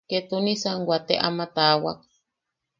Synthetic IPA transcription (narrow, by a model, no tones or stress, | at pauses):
ket̪unĩsaŋɡʷat̪eʔa̰mat̪awa̰k̚